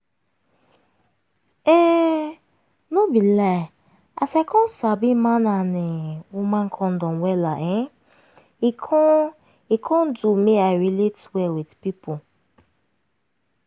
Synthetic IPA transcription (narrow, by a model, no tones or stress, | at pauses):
ɛ | nobila | a̰sɛkɔnsabimananɪumaŋ̩kʰɔn̩dɔ̃nwɛlaʔe | ikʰɔndumeaɾiletwɛwɪdpipʊ